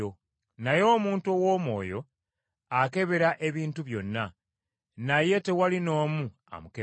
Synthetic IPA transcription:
o | najo̞ːmuːntuowoːmo̞̰ːjo̞ | ake̞βe̞ɾaʔe̞βiːntuβjo̞nːa | naje̞te̞walino̞ːmu | a̰muke

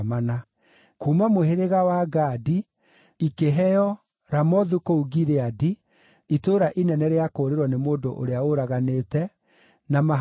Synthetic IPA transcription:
mana | kuːmamoheɾeɣawaɡaːdi | ikeɦɛjɔ | ɾamɔðukouɡiɾeadi | itoːɾaʔinɛnɛɾeakoːɾeɾwɔnemoːndoʔo̰ɾeaoɾaɣaneːtɛ | nama

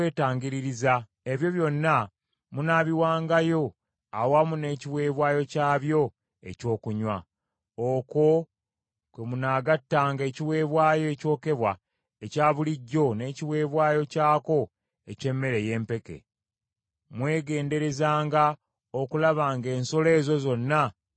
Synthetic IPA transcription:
eːtaːɲɟiɾiɾiza | e̞βjo̞βjo̞nːa | munaβiwaːŋɡajo̞ | awamune̞ːciwe̞ːβwaːjo̞caːβjo̞ | e̞̰co̞ːkuɲwa | oko̞ | kwemunaːɡatːaːŋɡe̞ːciwe̞ːβwaːjo̞eco̞ːke̞βwa | ecaːβuliɟːo̞ne̞ːciwe̞ːβwaːjo̞caːko̞ | e̞ce̞mːe̞ɾe̞je̞ːmpe̞ke̞̰ | mwe̞ːɡe̞ːnde̞ɾe̞zaːŋɡa | okulaβaːŋɡe̞ːnso̞le̞ːzo̞zo̞nːa

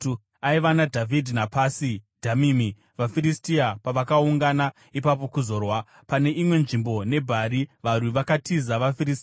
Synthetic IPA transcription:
aiʋanadʱavʱidʱinapaːsidʱamiːmi | ʋafiɾistiapaʋakauŋɡana | ipap̬o̞kuzo̞ːrwa | pane̞ʔimwe̞nʐimbo̞ne̞bʱaɾiʋarwiʋakatʰizaʋafirisi

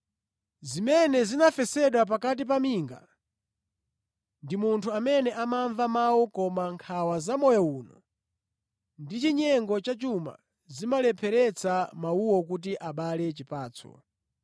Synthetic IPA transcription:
zimɛnɛzinafɛsɛɗwap̬akat̬ip̬amiːŋɡa̰ | ndimuntʰuamɛnɛʔamaɱvamawɔkɔmaŋkʰawazamɔjɔuːnɔ̰ | ndit͡ʃiɲɛŋɡɔt͡ʃat͡ʃuma̰ | zimalɛpʰɛɾɛt͡samauwɔk̬ut̬iʔaɓalɛt͡ʃipaːt͡sʰɔ̰

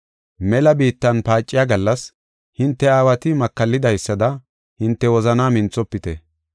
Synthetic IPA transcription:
mɛlɐbiːt̪ːɐnpaːt͡ʃʼːɪjaɡɐlːɐs | hɪnt̪ːɛaːwɐt̪ɪmɐkːɐlːɪd̪ɐjsːɐd̪ɐ | hɪnt̪ːɛwɔzɐnaːmɪnt͡sːɔpːɪt̪ɛ

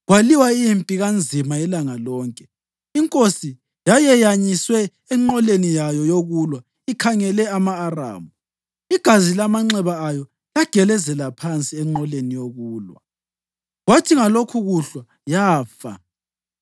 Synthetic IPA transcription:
ɣwaliwaiimpʼiɣand͡zʱimaɛlaŋalɔːŋkʼɛ | iŋkʼosi | jajɛjaɲiswɛː | ŋ͡ǃɔlenijajɔjoɣulwa | ikʰaŋɛlɛamaːra̰ːmu | iɡ̥ʱazilamaŋ͡ǁɛβaːjɔ | laɡ̥ʱɛlɛzɛlapʰant͡sʼiɛŋ͡ǃɔlenijoɣuːlwa̰ | ɣwatʰiŋalokʰuɣuɬwa | jaːfa̰

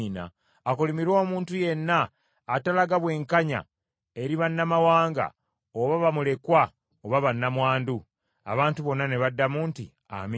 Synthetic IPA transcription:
na̰ː | kulimiɾo̞ːmuːntuje̞nːaː | talaɡaβwe̞ːŋkaɲa̰ | e̞ɾiβanːamawaːŋɡa̰ | oβaβamule̞kwa | oβaβanːamwaːndu | a̰βaːntuβo̞nːane̞βadːamuːntḭ | a̰mi

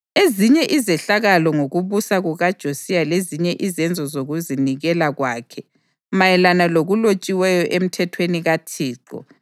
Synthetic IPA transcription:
eziɲɛʔizɛɬaɣalɔŋoɣuβusaɣuɣad̥ʒ̥ʱosijaleziɲɛʔizɛnd͡zʱɔzoɣuziniɣɛlaɣwaːkʰɛ | majɛlanaloɣulot͡ʃʼiwɛjɔʔem̩tʰɛtʰweniɣatʰiːǃɔ̰

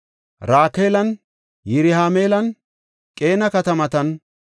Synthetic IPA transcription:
ɾaːkeːlɐn | jɪɾɪhaːmeːlɐn | kʼe̞ːnɐkɐt̪ɐmɐt̪ɐn

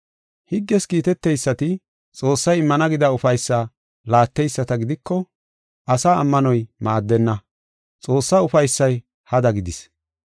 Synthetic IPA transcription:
hɪɡːɛskiːt̪ɛt̪ːɛjsːɐt̪ɪ | t͡sʼo̞ːsːɐjɪmːɐnɐɡɪd̪ɐʊfɐjsːa | laːt̪ːɛjsːɐt̪ɐɡɪd̪ɪkːɔ | ʔɐsaɐmːɐnɔjmaːd̪ːɛnːɐ | t͡sʼo̞ːsːɐʊfɐjsːɐj | hɐd̪ɐɡɪd̪ɪs

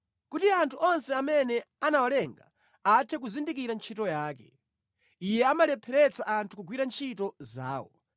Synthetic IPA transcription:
kutiantʰuʔɔnsɛamɛnɛanawalɛŋɡa̰ | atʰɛk̬uzindik̬iɾant͡ʃʰitɔjaːkɛ̰ | ijɛamalɛpʰɛɾɛt͡saʔantʰu̥kuɡwiɾant͡ʃʰitɔza̰ːwɔ̰

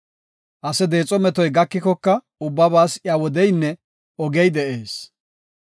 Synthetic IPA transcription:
ʔɐsɛd̪e̞ːt͡sʼɔmɛt̪ɔjɡɐkːɪkɔkːɐ | ʊbːɐbaːsɪawɔd̪ɛjnːɛ | ɔɡɛjd̪ɛʔeːs

